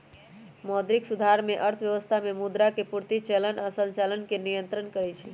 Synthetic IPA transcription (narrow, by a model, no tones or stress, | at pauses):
mɔd̪ɾiksud̪ʱaɾmeʔəɾt̪ʰəʋjəʋəst̪ʰamemud̪ɾakepuɾt̪it͡ʃelənasə̃nt͡ʃalənkenijənt̪ɾənkəɾɛt͡ʃʰɛ